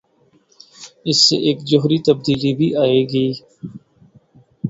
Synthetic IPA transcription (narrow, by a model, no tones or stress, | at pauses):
ɪsːḛʔeːkd͡ʒʊɦɾit̪əb̚d̪iːlibʱiʔaːeːɡəiː